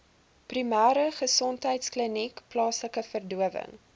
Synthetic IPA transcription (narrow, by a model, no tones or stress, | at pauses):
primæːɾəχəsɔntɦəjtsklinikplɑːsləkəfərduəvə̰ŋ